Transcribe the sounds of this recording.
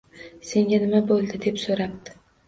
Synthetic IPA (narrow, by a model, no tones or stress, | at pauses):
se̞ŋɡʲanɪmabolˠd̪ɪd̪e̞psoɾap̚d̪ɪ̥